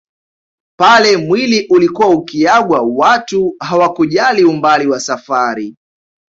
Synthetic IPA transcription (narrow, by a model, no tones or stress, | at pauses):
palɛmwiliʔulikuwaukiaɠwawatuɦawakuʄaliumbaliwasafaɾi